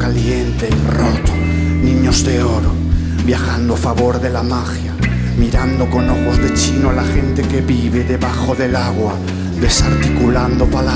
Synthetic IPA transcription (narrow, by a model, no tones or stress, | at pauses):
kaljent̪erot̪o | nĩɲozðeoɾo | βjaxand̪oafaβoɾðelamaxja | miɾand̪okonoxozðet͡ʃinoalaxent̪ekeβiβeðeβaxoðe̞laɣwa | ðesaɾt̪ikuland̪opala